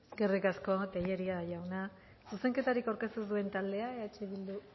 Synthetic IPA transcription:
eske̞rikasko̞t̪eʎeɾiaʝawna | suse̞ŋke̞t̪aɾikawɾke̞st̪usue̞nt̪ald̪e̞aeaet͡ʃeβild̪u

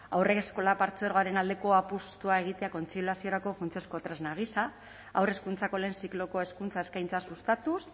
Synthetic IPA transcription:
awre̞kesko̞lapaɾt͡soeɾɣoaɾe̞nald̪e̞ko̞apust̪uae̞ɣ̞it̪e̞ako̞nt͡siuasio̞ɾako̞funt͡siosko̞t̪ɾeznaɣ̞isa | awre̞skunt͡sako̞le̞ːnsiklo̞ko̞e̞skunt͡saeskajnt͡sasust̪at̪us

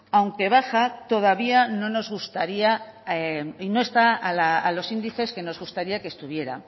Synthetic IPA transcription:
awŋke̞βaxat̪o̞ðaβiano̞no̞zɣ̞ust̪aɾiaeino̞e̞st̪aalaːlo̞sind̪iθe̞ske̞no̞zɣ̞ust̪aɾiake̞st̪uβ̞je̞ɾa̰

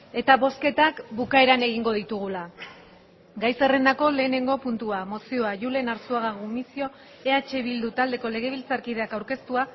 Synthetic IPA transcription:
e̞t̪aβo̞ske̞t̪akbukae̞ɾane̞ɣ̞iŋɡo̞ð̞it̪uɣ̞ula | ɡajse̞re̞nd̪ako̞le̞ːne̞ŋɡo̞punt̪uamo̞sio̞aʝule̞naɾsuaɣaɣumisio̞ | e̞at͡ʃe̞βild̪ut̪ald̪e̞ko̞le̞ɣ̞e̞β̞ilt͡saɾkið̞e̞akawɾke̞st̪ua

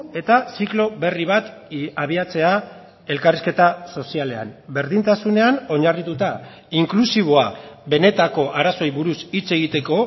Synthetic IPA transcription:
e̞t̪asiklo̞βe̞riβ̞at̪aβ̞iat͡se̞a | e̞lkariske̞t̪aso̞siale̞a̰mbe̞ɾðint̪asune̞ano̞ɲarit̪ut̪a | iŋklusiβ̞o̞aβe̞ne̞t̪ako̞ʔaɾaso̞jβuɾusit͡se̞ɣ̞it̪e̞ko̞

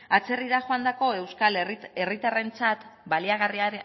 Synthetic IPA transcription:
at͡se̞riðaxoand̪ako̞e̞wskalere̞rit̪are̞nt͡sat̪baliaɣ̞ariaɾe

